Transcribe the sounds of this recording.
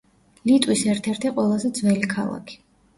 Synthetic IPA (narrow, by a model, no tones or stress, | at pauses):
lit̪ʼwisɛɾt̪ʰɛɾt̪ʰiqʼwɛlˠazɛd̪zwɛlikʰa̰lˠa̰kʰi̥